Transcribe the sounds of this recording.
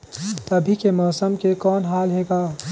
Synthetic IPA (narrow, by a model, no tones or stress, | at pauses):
t̪ɐbʱikemɔːsəmkekɔːnɦaːlɦeːɡaː